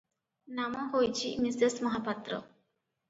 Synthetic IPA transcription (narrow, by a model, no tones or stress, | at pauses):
namɔ̃ɦojt͡ɕʰimisd̪esməɦapat̪ɾɔ̰